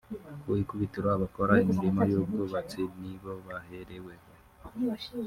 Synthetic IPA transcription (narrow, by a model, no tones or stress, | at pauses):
uikuβitiɾoaβakoɾaimiɾimojoɡɡoβat͡siniβo̞βaheɾewe